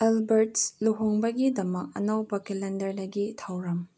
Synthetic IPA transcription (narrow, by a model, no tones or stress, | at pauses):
elbeɾtsluɦoŋbɐɡidɐmɐk̚ɐ̰nɐwbɐkelendɐɾdɐɡitʰɐwɾɐm